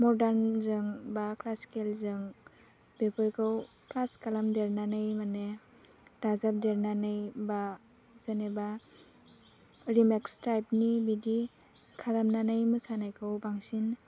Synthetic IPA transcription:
mɔɾdaɾnzɯŋbaklaskelzɯŋ | bepʰɯɾkʰɯw | klaskalamdeɾnanɯjmane | dazap̚deɾnanɯjba | z̥ɯneba | ɾimekstajpnibidi | kʰalamnanɯjmɯsanajkʰɯwbaŋsin

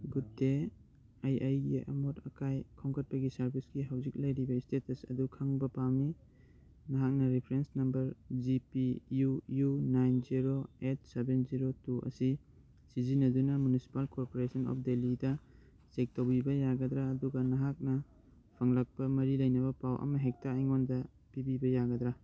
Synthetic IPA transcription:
ɡutːe | ajʔajɡiɐ̰motʰɐ̰kajkʰoŋkʰɐt̚pɐɡisɐɾbʱisɡiɦawzik̚lɐjɾibɐistetɐsɐ̰dukʰaŋbɐpawni | nɐɦak̚nɐɾipʰɾensnɐmbɐɾd͡ʒipijujunajnziɾoet̚sebenziɾotuʔɐ̰si | sizinɐdunɐmunisi̥palkoɾpoɾesʰɐnɔ̰p̚ʰdelidɐ | sek̚towbibɐjaɡɐdɾaːduɡɐnɐɦak̚nɐ | pʰɐŋlɐk̚pɐmɐɾilɐjnɐbɐpawʔɐ̰mɐɦek̚taːjŋondɐ | pibibɐjaɡɐd̪ɾa

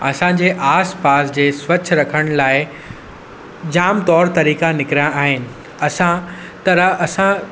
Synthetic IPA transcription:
ɐsãɲd͡ʑeːʔaːspaːsd͡ʑeːswɐt͡ɕʰɾɐkʰəɽ̃laːɪ | d͡ʑaːmt̪ɔːɾt̪ɐɾiːkãnɪkɪɾijãʔaːɦɪnɪ̆ | ɐsã | t̪ɐɾəɐsã

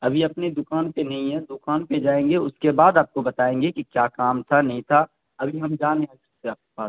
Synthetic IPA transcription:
ɐbʱiɐpned̪ʊkaːnpenɐɦĩɦɛ̃d̪ʊkaːnped͡ʒaːẽːŋɡeʊskebaːd̪aːp̚kobɐt̪aːẽːŋɡekikjaːkaːmt̪ʰanɐɦĩt̪ʰa | ɐbʱiɦɐmd͡ʒaːnẽaːsɐbseaːp̚kepaːs

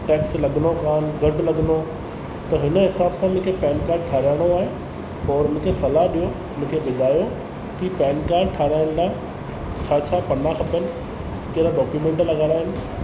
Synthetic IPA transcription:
ʈɛːkslɐɠnokaːnɡʱɐʈlɐɠɪno | t̪ɐɦɪnəɦɪsaːbsãmʊ̃ɦkʰepɛːnkaːɾɖ̚ʈʰaːɾaːɪɽ̃oaːɦẽ | ɔːɾɪñkʰesɐlaɗijo | ʊnʊ̃ɪ̃kʰeɓɪd̪ʱaːjo | kipɛːnkaːɾɖʈʰaːɾaːɪɽ̃laː | t͡ɕʰaːt͡ɕʰaːpɐnaxɐpənɪ̆ | keɾaɗɔːkjuːmẽːɳʈlɐɠaːɾaːɦɪnɪ̆

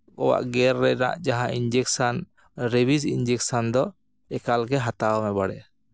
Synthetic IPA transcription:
kɔwa̰ʔɡɛɾːɛna̰ʔd͡ʒaɦãind͡ʒɛksan | ɾebisind͡ʒɛksand̪ɔ | ɛkalɡɛɦat̪awmɛbaɽɛ

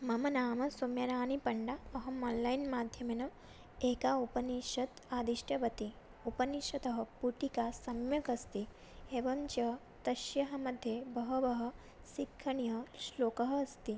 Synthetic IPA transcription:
mɐmɐnaːmɐsoːmjɐɾaːnipɐɳɖaɐɦɐmɔːnlɐjnmaːd̪ʱjɐmenɐ | eːkaupɐniʃɐt̪aːd̪iʃʈɐʋɐt̪i | upɐniʃɐt̪ɐɦɐpuʈikasɐmjɐkɐst̪i | eːʋɐmt͡ʃɐ | t̪ɐʃjɐɦɐmɐd̪ʱjebɐɦɐʋɐɦɐ̆ | sikʰːɐɳijɐʃloːkɐɦɐɐst̪i

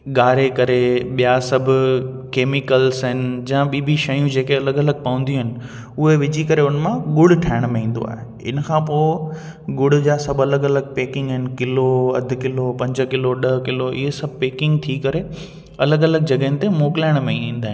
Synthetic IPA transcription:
ɠaːɾekɐɾeɓijasɐbʱʊ | keːmɪkəlsɦɪnɪ̆d͡ʑãɓiːbʱiʃɐjũd͡ʑeːkeɐləɡɐləɡ̚pɐə̃nd̪iũɦɪnɪ̆ | ʊɦeʋɪd͡ʑʱikɐɾeʊnmãɠʊɽ̤ʈʰaːɪɽ̃mẽĩːn̆d̪o̰a̰ːɦe | ɪ̰nkʰãpoːɪ | ɠʊɽ̤d͡ʑaːsɐbʱɐləɡɐləɡ̚peːkɪ̃ŋɡɦɪnɪ̆kɪloɐ̰d̪ʱʊ̆kɪlopɐ̃ɲd͡ʑkɪloɗɐɦkɪloʔɪ̰ɦesɐbʱpeːkɪ̃ŋɡ̚t̪ʰikɐɾe | ɐləɡɐləɡ̚d͡ʑɐɠəɦɪnɪ̆t̪emoːkɪlaːɪɽ̃mẽĩːnd̪aːɦɪ̃n

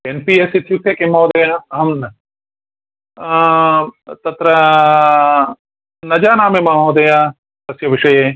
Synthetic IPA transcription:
enpiːesit̪ʰjusʰekemːɐːd̪ɐjaɐɦɐmnɐ | t̪ɐt̪ɾɐ | nɐd͡ʒaːnaːmemɐmɐd̪ɐja | pɐsjɐʋɪʃɐje

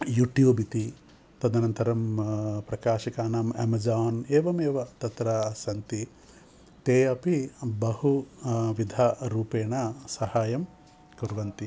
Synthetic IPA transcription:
juʈjuːbit̪i | t̪ɐd̪ɐnɐnt̪ɐɾɐmpɾɐkaːʃikaːnaːmḛmɐd͡ʒaːneːʋɐmeːʋɐt̪ɐt̪ɾɐsɐnt̪i | t̪eːɐpibɐhuʋid̪ʱaɾuːpeːɳɐsɐhaːjɐm | kuɾʋɐnt̪i

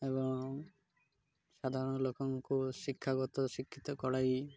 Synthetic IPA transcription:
eβɔŋ | sad̪ʱaɾɔnɔlokɔŋkuʃikʰːaɡɔt̪ɔʃikʰːit̪ɔkɔɽaj

